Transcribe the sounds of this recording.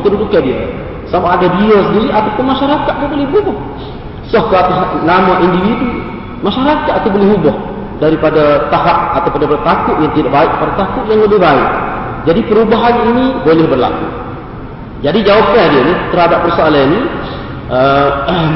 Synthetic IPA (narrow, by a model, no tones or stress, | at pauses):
t̪ədudukːadia̰ | samaʔadadiasəndiɾiʔat̪apʊnmaʃaɾakat̪̚t̪ubolɛhbubɔh | sɔhkaat̪aɦaʔnamaʔindiwidu | maʃaɾakat̪̚t̪ubolɛɦubɔh | daɾipadat̪aɦap̚at̪awpundaipadat̪akʊʔ̪jaŋt̪idaʔbaɪʔ̚padat̪akʊʔ̪jaŋləbɪhbaɪʔ | d͡ʒadipəɾubaɦaninibolɛhbərla̰kṵ | d͡ʒadid͡ʒawap̚kadianit̪ərhadap̚bərsoalani | ə